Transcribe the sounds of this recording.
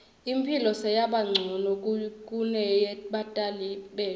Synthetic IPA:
impʰilɔsɛjaɓaŋ͡ǀʱɔnɔkʼkʼunɛjɛɓatʼaliɓɛː

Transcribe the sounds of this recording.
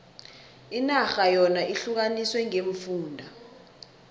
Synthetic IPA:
inaxajɔnaʔiɬuk̬aniswɛŋeɱfuːndʱa

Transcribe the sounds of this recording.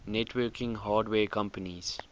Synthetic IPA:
nɛʈʰwəːkɪ̃ŋɦaːɖweːkʌ̃mpəniz̥

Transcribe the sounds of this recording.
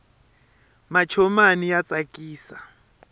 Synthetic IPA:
mat͡ʃʰɔmanijat͡sʼakʼiːsa

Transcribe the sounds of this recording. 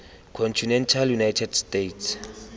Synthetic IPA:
kʰɔnt͡ʃʰunɛntʰaljunajtʰɛdstetʰs

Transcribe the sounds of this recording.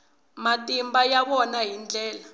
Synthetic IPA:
matʼimbajaɓɔnajind͡ɮʱɛːla

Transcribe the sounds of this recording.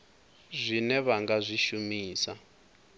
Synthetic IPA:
zʷinɛβaŋɡazʷiʃumiːsa

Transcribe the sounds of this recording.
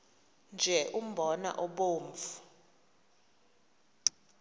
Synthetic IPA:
nd͡ʒʱɛʔum̩bʱɔna̰ʔɔɓoːɱfu̥

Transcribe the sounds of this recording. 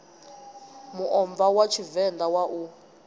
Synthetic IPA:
muʔɔmvawat͡ʃʰivɛndawaʔu

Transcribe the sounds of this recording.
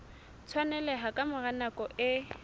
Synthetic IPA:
t͡sʰwanɛlɛɦakʼamʊranakʼɔʔɪ

